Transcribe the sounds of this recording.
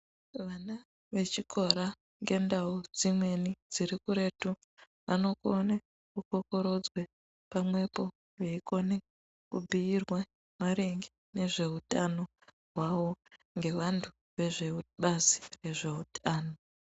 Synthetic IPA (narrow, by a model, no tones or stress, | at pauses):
ʋana | ʋe̞t͡ʃikʰo̞ɾa | ŋɡe̞ndaud͡zimwe̞nid͡ziɾikuɾe̞tu | ʋano̞kone | kuko̞ko̞ɾo̞d͡zwe | pamwe̞po̞ | ʋeiko̞ne | kubʱiirwa | maɾeŋɡi | ne̞ʐe̞ɦutano̞ | ɦwawo̞ | ŋɡe̞ʋantʰu̥ | ʋe̞ʐe̞ɓazi̥re̞ʐe̞utʰaːno̞